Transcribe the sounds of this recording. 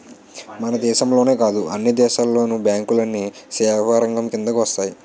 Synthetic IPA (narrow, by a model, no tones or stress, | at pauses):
mɐnɐd̪ɛːʃɐmlo̞ːne̞ːkaːd̪uɐnːɐd̪ɛːʃaːlːo̞ːnubjaːŋkulɐnːisɛːɦaːɾɐŋɡɐmkind̪ɐkuʋɐst̪aːji